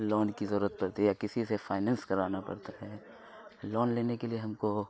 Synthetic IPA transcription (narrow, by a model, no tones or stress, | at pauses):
lɔːnkizəɾuːɾət̪̚pɐɾt̪eɦɛjakɪsisefaːɪnɛ̃ːnskɐɾaːnapɐ̰ɾt̪aɦɛː | lɔːnleːnekelieɦɐmko